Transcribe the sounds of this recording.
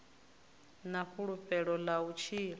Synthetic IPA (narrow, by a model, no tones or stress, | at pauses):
naɸʰuɺuɸɛɺɔlaut͡ʃʰiːɺ